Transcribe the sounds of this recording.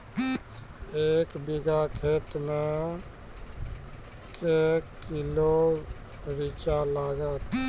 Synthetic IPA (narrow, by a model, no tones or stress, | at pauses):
eːkbiɡakʰeːt̪mẽ | kekːilo | ɾit͡ʃalaːɡət̪